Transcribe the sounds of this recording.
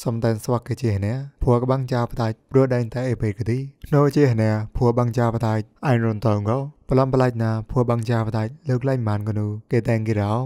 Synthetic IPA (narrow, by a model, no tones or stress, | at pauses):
sɑmt̪aɛnsʋakːeːt͡ɕiəhnɛ̆əpʰuəkəɓaŋt͡ɕaːpat̪aːc̚pruəɗaɛŋt̪aɛʔeːpeːkt̪iːkʰnoːt͡ɕiəhnɛ̆əpʰuəɓaŋt͡ɕaːpat̪aːc̚ʔaːŋruənt̪ɔːŋɡɔpəlɑmpəlaːc̚naːpʰuəɓaŋt͡ɕaːpʰt̪aːc̚ləːk̚laːŋmaːnkənuːkeːt̪aɛŋkiɾa